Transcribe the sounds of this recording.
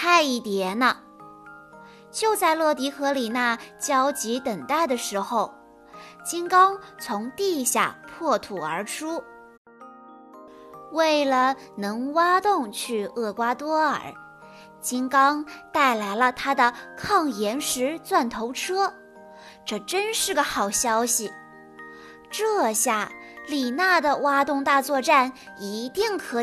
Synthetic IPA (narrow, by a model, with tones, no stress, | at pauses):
t̪ʰa˥˧ɪi˥˩t̪jɛ˧˥nə˧ | t͡ɕjo˥˧ʊt͡sa˥˧ɪlɤ˥˩t̪̬i˧˥xɤ˧˥li˨˩na˥˩t͡ɕjɑ˥ʊt͡ɕi˧˥t̪ə˨˩ŋt̪a˥˩ɪd̪ə˩ʂɻ̩˧˥xo˧ʊ | t͡ɕi˥nkɑ˥ŋt͡sʰʊ˧˥ŋt̪i˥˧ɕja̰˥˩pʰwɔ˥˩t̪ʰu˨˩ə˞˧˥ʈ͡ʂʰu˥ | we˥˩ɪlə˩ | nɤ˧˥ŋwa˥t̪ʊ˥˧ŋt͡ɕʰy˥˧ɤ˥˩kwa˥t̪wɔ˥ə̰˞˨˩˥ | t͡ɕi˥ŋkɑ˥ŋt̪a˥˩ɪla˧˥ɪlə˧t̪ʰa˥d̪ə˨kʰɑ˥˩ŋjɛ˧˥nʂɻ̩˧˥t͡swa˥˩nt̪ʰo˧˥ʊʈ͡ʂʰɤ˥ | ʈ͡ʂɤ˥˩ʈ͡ʂə˥nʂɻ̩˥˩ɡə˩xɑ˨˩ʊɕjɑ˥ʊɕi˨˩ | ʈ͡ʂɤ˥˧ɕja˥˩li˨˩na˥˩d̪ə˩wa˥t̪ʊ˥˧ŋt̪a˥˧t͡swɔ˥˧ʈ͡ʂa˥˩ni˧˥t̪i˥˩ŋkʰɤ˧˥